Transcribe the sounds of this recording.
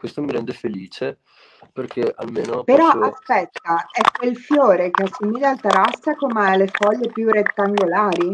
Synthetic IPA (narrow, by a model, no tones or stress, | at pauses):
kwest̪omiɾɛnd̪efeliːt͡ʃe | perkʰea̰lmeːno̰peɾɔʔaspɛt̪ːaɛkːwelfjoːɾekeasːumiːd̪alt̪aɾast̪ːakomaalefɔʎːepjuret̪ːaŋɡolaːɾi